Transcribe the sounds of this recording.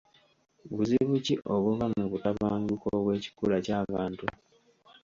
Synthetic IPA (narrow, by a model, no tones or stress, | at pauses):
βuziβuciʔʔo̞βuβamuβutaβaːŋɡukoβwe̞ːci̥kulacaːβaːntu